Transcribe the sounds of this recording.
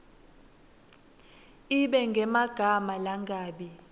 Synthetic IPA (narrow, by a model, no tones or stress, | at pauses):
iɓɛŋɡʱɛmaɡ̥ʱamalaŋɡʱaːɓi